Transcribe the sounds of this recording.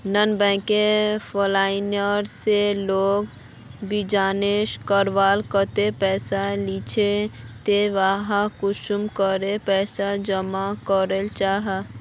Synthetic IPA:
nənbɛ̃ːkefʰolaːɪnəɾseloːɡ | bid͡ʒaːneːʃkəɾʋaːlkət̪epɛːsalit͡ʃʰe | t̪eʋaɦakʊʃumkəɾepɛːsad͡ʒəmakəɾəlt͡ʃaːɦa

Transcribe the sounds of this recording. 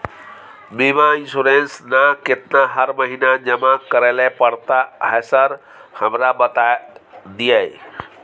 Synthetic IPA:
bimaĩnsuɾensnaket̪naɦəɾməɦinad͡ʒəmakəɾelepəɽt̪aɦɛsəɾ | həmɾabət̪ad̪ijej

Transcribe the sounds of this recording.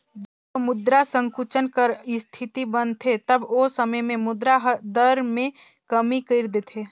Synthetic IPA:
d͡ʒəbomʊd̪ɾasə̃ŋkut͡ʃənkəɾɪst̪ʰit̪ibənt̪ʰet̪ɐbosəməjmẽmʊd̪ɾaɦd̪əɾmẽ | kɐmikəɪɾd̪et̪ʰeː

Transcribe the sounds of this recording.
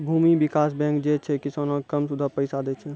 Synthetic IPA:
bʱuːmibɪkaːsbɛ̃ːkd͡ʒet͡ʃʰɛkɪsaːnõkəmsud̪ʱapəɪsad̪et͡ʃʰɛ

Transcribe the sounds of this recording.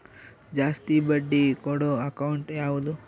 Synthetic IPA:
d͡ʒaːst̪ibɐɖːikɔɽoɐkɐwuɳʈjaːʋud̪u

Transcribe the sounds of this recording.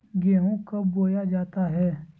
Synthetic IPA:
ɡeːɦõːkəbːoːjad͡ʒaːt̪aːɦɛː

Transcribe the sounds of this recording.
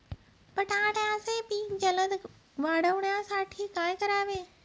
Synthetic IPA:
pɐʈãːʈjãsepiːd͡ʑɐləd̪ | ʋaːɽəʋɳjãsaːʈʰiːkãːɪ̃kɐɾaːʋẽː

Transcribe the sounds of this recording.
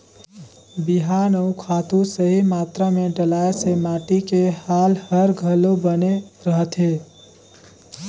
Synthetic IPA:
biɦanəukʰaːt̪ũsəɦimaːt̪ɾamẽɖəlaesemaːʈikehalhəɾɡʱəlobəneɾəɦət̪ɦe

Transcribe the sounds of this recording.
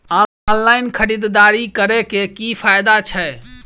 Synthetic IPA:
a | nlaɪnkʰəɾid̪d̪aɾikəɾɛkekipʰajd̪at͡ʃʰɛ

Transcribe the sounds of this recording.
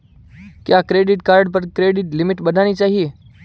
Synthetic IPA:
kjakɾeɖɪʈkaɾɖpəɾkɾeɖɪʈlimiʈbəd̪ʱaɽ̃iːt͡ɕaɦie

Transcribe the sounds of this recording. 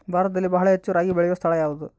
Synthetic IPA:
baːɾd̪ilbɐɦɐɭɐet͡ɕːuɾaːɡibeɭijɐst̪ʰɐɭɐjaːlɐðɨ

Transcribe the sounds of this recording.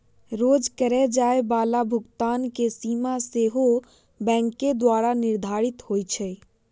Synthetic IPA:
ɾoːd͡ʒkəɾɛd͡ʒaːebaːlabʱʊɡt̪aːnkesiːmaseɦo | bɛ̃ːŋkːed̪waːɾanɪɾd̪ʱaːɾɪt̪hoːjt͡ʃʰɛ

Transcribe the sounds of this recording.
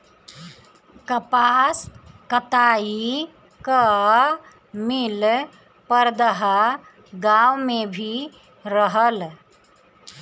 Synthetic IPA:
kɐpaskət̪aːi | kə | mil | pəɾd̪əɦa | ɡawmẽbʱi | ɾəɦəl

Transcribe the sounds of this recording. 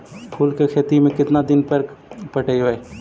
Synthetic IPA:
pʰuːlkekʰeːt̪imẽkɪt̪nad̪ɪnpɐɾpɐʈəiɦoeː

